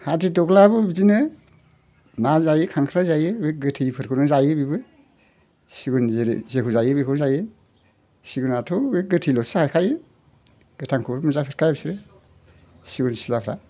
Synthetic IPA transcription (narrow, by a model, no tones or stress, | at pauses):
hatidɔɡlabɯbizinɯ | nazajɯkʰaŋkʰɾazajɯek̚ɡɯtʰijpʰɯɾkʰɯnɯzajɯbibɯ | siɡunzeɾ̰zekʰuzajɯbekʰuzajɯ | siɡunatʰɔeɡɯtʰijlɔsaajkʰajɯ | ɡ̥ɯtʰaŋkʰumuzapʰɯɾkʰajbisiɾɯ | siɡunsilapʰɾa